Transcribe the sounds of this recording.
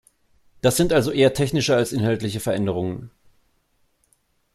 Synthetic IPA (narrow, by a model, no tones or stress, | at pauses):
d̥asz̥ɪntʔalzoʔeːɐtʰɛçnɪʃəalsʔɪnɦaltlɪçəfɛɐʔɛndəʁ̞ʊŋən